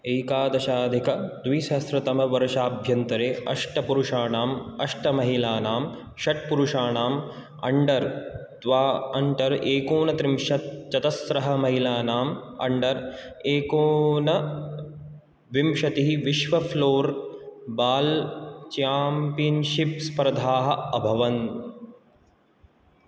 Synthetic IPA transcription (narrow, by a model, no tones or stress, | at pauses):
eːkaːd̪ɐʃaːd̪ʱikɐd̪ʋiʃɐːsɾɐt̪ɐmɐʋɐɾʃaːbʱjɐnt̪ɐɾeːʔɐ̰ʂʈɐpuɾuʂaːnaːmɐʂʈɐmɐɦilaːnaːm | ʃɐʈ̚puɾuʂaːnaːm | ɐ̰ɳɖɐɾt̪ʋaːɐɳʈɐɾeːkoːnɐt̪ɾimʃɐt̪̚t͡ʃɐt̪ɐsɾɐɦɐmɐɦilaːnaːmɐ̰ɳɖɐɾeːkoːnɐ | ʋimʃɐt̪iɦiʋiʃʋɐfʰloːɾbaːlt͡ʃaːmpiɐnʃip̚spɾɐd̪ʱaːɦɐɐbʱɐʋɐn